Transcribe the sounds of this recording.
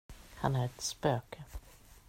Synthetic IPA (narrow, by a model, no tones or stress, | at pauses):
ha̰næɾɛt̪spøːkʰə